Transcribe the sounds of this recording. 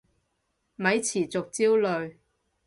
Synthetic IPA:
mɐ˨˥jt͡sʰiː˨˩t͡sʊ˨k̚t͡siː˥wlɵ˨ɥ

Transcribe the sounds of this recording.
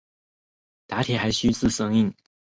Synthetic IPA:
t̪a˧˥t̪ʰjɛ˨˩xa˧˥ɪɕy˥t͡sɹ̩˥˩˨sɤ˥ŋi˥˩ŋ

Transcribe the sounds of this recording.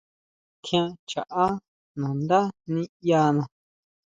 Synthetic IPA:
kʰj̃ã˦t͡ʃa̰˨ʔa˦ | nã˨nd̪a˦nĩ˦ja˧nã˨

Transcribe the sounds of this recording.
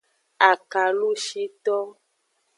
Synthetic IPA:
a˨ka˨lu˦ʃi˦t̪ɔ˦

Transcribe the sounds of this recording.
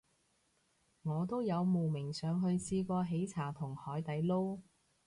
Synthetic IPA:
ŋɔː˨˧t̪̬o˥wjɐ˨˧wmo˨˩wmɪ˨˩ŋsœː˨˧ŋɦɵ˧ɥsiː˧kʷɔː˧ɦe˨˥jt͡sʰaː˨˩t̪ʰʊ˨˩ŋhɔː˨˥jt̪ɐ˨˥jlo˥w

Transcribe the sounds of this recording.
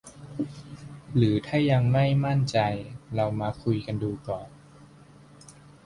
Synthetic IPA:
ɾɯː˩˦t̪ʰaː˥˩ja˧ŋma˥˩jma˥˩nt͡ɕa˧jɾa˧wmaː˧kʰu˧jka˧nduː˧kɔː˨˩n

